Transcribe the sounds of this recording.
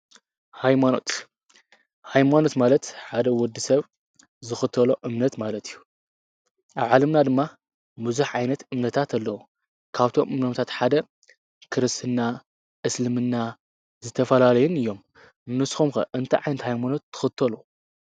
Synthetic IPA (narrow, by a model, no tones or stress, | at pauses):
hajmano̞t̪ | hajmano̞t̪malɐt̪ħad̪ɐwɔd̪ːisɐβ | zɨxɨt̪ʰɐloʔɨmnɐt̪malɐt̪ijːu | ʔaβʕalɐmnad̪ɨmːa | mɨzuħʕajnɐt̪ɨmnɐt̪ʰat̪ʰɐlːɐwu | kʰaβt̪ʰo̞mʔɨmnɐmt̪ʰat̪ħad̪ɐ | kʰɨɾɨst̪ʰɨnːa | ʔɨslɨmɨnːa | zɨt̪ʰɐfɐlalɐjunɨjːo̞m | nɨsxumxɐ̰ʔɨnt̪ʰɐ̰ʕajnɐt̪hajmano̞t̪ːɨ̥xɨt̪ʰːɐlu